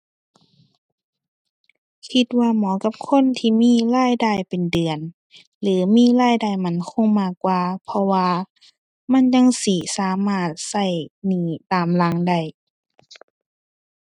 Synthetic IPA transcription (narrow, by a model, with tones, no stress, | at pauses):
kʰi˧t̪̚waː˧mɔː˨˦ka˧p̚kʰo˧˥˨nt̪ʰiː˧˨miː˧˥˨laː˧˥˨jdaː˧˩˨jpe˨ndɯ˨˩ən | lɯː˨˦miː˧˥˨laː˧˥˨jdaː˧˩jma˧˥˨nkʰo˧˥˨ŋmaː˧˩kːwaː˧pʰɔ˧waː˧ | ma˧˥˨nɲa˧˥˨ŋsiː˧˩saː˨˦maː˧˩t̪̚sa˧˩jniː˧˩t̪aː˨˩mla˧˦˥ŋda˧˩j